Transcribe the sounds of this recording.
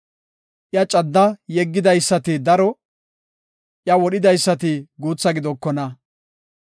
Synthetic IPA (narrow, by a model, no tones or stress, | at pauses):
ʔjɐt͡ʃʼɐd̪ːɐjɛɡːɪd̪ɐjsːɐt̪ɪd̪ɐɾɔ | ʔjɐwɔɗɪd̪ɐjsːɐt̪̬ɪɡuːt͡sːɐɡɪd̪ɔkːɔnɐ